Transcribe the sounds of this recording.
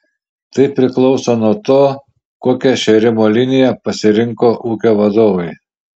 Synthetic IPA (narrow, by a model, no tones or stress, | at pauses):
t̪ɐɪpʲɾʲɪklˠɒʊsoːnuɔt̪oː | koːkʲɛʃʲɛɾʲɪmoːlʲɪnʲɪjɛpɐsʲɪɾʲɪŋkoːʔuːkʲoːʋɐd̪oːʋɐɪ